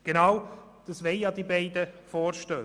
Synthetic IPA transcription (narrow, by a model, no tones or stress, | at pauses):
ɡ̥enaw | d̪̥ɑsʋɛɪjɑd̪ibɛɪdəfɔːɾʃtøː